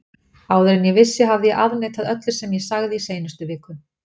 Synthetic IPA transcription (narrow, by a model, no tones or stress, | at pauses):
aːwðɛɾɪnjɛɣvɪsːɪɦavðɪjɛʔaðnejt̪aðœt̪lʏ̥sɛmjɛsaɣðɪiseːjnʏst̪ʏvɪːkʏ